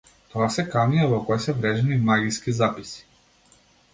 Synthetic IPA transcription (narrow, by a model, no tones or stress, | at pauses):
t̪ɔasɛkaniavɔkɔjsɛvɾɛʒɛnimaɡʲiskizapisi̥